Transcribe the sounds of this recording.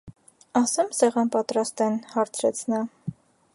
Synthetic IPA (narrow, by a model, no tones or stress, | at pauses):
ɑsɛmsɛʁɑnpɑt̪ɾɑst̪ɛnhɑɾt͡sʰɾɛt͡sʰnɑ